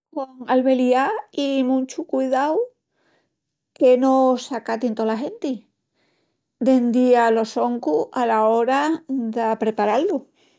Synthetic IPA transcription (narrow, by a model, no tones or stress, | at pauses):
koŋalβe̞liaimũnt͡ʃukwiðaw | kenosakat̪ient̪olaɦe̞nt̪i | d̪e̞nd̪ialo̞so̞ŋkualao̞ɾad̪apɾe̞paɾalːu